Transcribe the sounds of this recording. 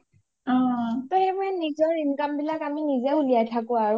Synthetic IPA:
ɔtɔɛmɛnizɔɹim̩kambilakaminizɛuliatʰakua

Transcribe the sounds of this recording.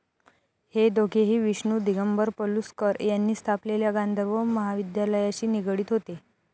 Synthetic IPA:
hed̪oɡʰeɦiːʋiɕɳuːd̪iɡəmbəɾpəluskəɾjanːiːst̪ʰapleljaɡãnd̪ʱəɾʋəməɦaʋid̪jaləjaɕiːniɡɽiːt̪ɦot̪e

